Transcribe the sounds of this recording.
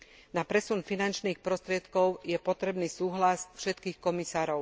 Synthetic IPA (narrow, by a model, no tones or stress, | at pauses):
napɾɛsunfinant͡ʃniːxpɾɔst̪ɾɪɛt̪kɔʊjɛpɔt̪ɾɛbniːsuːɦlasfʃɛt̪kiːxkɔmisaːɾɔʊ